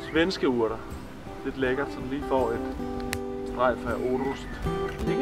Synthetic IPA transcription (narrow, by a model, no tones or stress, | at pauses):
sʋensɡ̥əuɐ̰ɾ̥ɐ | d̥e̝d̥leɡ̥ɐsɒ̽nliːfɒ̰ːe̝d̥ | sd̥ʁɑ̈ɪ̰fʁæʔo̝ɾusd̥e